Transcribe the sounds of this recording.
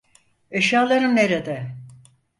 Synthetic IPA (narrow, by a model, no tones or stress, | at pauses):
eʃaːlˠaɾɯmneɾed̪ɛ